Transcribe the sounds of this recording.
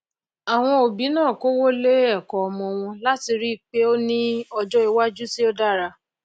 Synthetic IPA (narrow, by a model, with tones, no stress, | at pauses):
a˨w̃ɔ̃˧o˨bĩ˨˦nãː˦˨ko˦wo˦le˦ɛ˦˨kɔ˨ɔ˧mɔ̃˧w̃ɔ̃˧la˦ti˧ɾi˦˨k͡pe˦o˦nĩ˦ɔ˧d͡ʒɔ˦i˨˧wa˦d͡ʒu˦si˦o˦da˦˨ɾa˧